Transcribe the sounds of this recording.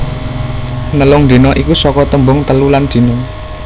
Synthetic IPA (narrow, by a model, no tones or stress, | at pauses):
nəlʊŋd̪̥i̤nɔʔikusɔkɔt̪əmbʊŋt̪əluland̪̥i̤nɔ